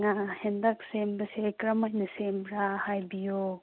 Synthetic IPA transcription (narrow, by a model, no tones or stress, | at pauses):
ŋahendak̚sembɐsekɾɐmajnɐsembɾahajbijo